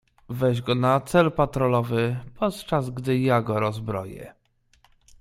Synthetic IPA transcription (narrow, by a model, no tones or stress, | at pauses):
vɛʑɡɔnat̪sɛlpat̪ɾɔlɔvɘpʰɔt̪t͡ʂazɡd̪ɘjaɡɔɾɔzbɾɔ̰jɛ̰